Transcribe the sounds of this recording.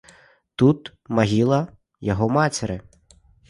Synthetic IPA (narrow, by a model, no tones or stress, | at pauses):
t̪ut̪ | mɐɦʲilˠɐ | jɔɦɔmɑt͡sʲɪɾɪ